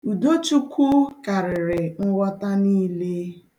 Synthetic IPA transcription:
u˨do˦t͡ʃu˦kʰu˦ka˨ɾɪ˨ɾɪ˨ŋ̩˦wɔ˦ta˦niː˦le˦

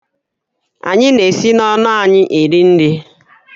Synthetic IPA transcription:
a̰˨ɲɪ˦ne˨si˦nɔ˦na˦a˨ɲɪ˦ʔe˨dɪ˦n̩˦dɪ˦

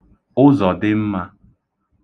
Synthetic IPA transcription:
ʊ˦zɔ˨dɪ˦m̩˦ma˦

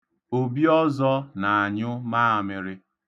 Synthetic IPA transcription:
o˨bi˦ɔ˦zɔ˦na˨a˨ɲʊ˦ma˦a˨mɪ˨ɾɪ˦

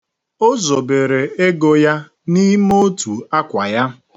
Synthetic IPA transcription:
o˦zo˨be˨ɾe˨e˦ɡo˨ja˦ | ni˦mo˦tu˨a˦kʷa˨ja˦

